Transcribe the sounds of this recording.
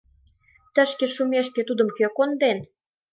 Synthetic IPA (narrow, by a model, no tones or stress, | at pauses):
t̪ə̆ʃkeʃumeʃkĕt̪ud̪ə̆mkøkond̪en